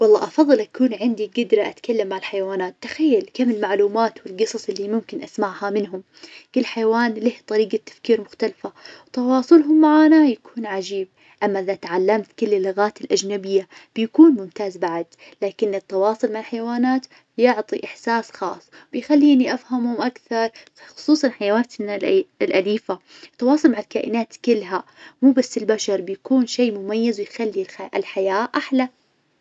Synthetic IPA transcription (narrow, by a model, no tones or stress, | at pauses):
wɑlˤːɑ̰ːʔɑfɑðˤːɨlʔakuːnʕɪnd̪iɡɪd̪ɾaʔat̪kalːamːaʕɪlħajwaːnaːt̪ːḁxajːalkamɪlmaʕluːmaːt̪wɪlɡɨsˤɑsˤʔɪlːimʊmkɪnʔasmaʕhamɪnɦʊm | kɪlːħajawaːnliht̪ˤɑɾiːɡat̪ːḁfkiːɾmʊxt̪alfawt̪ɑwɑːsˤʊlɦʊmːaʕaːnajakʰuːnʕad͡ʒiːb̚ | ʔamːaʔɪðat̪ʕalːamt̪kʊlːɪlːʊɣaːt̪ɪlʔad͡ʒnabɪjːab̥jakuːnmʊmt̪aːzbaʕad̪ | laːkɪnːɪt̪ːɑwɑːsˤʊlmaʕalħajawaːnaːt̪ | bjʊʕt̪ˤiʔɪħsaːsxɑːsˤː | bɪjxalːiːniʔafhamhʊmʔakθɑɾˤ | xʊ̥sˤuːsˤɑnħajawaːt̪ | lʔaliːfa | ɪt̪ːɑwɑːsˤʊlmaʕɪlkaːʔɪnaːt̪kɪlːɦamuːbasːɪlbaʃɑɾˤbɪjakuːnʃeːmʊmajːɪzwɪjxalːiʔɪ̰lħajaːʔaħla